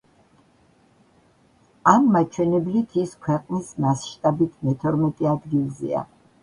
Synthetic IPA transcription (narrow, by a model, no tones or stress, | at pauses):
amːat͡ʃʰwɛnɛblit̪ʰiskʰwɛqʼnismasʃt̪ʼabit̪ʰmɛt̪ʰɔɾmɛt̪ʼɛad̪ɡilˠzɛ̰a̰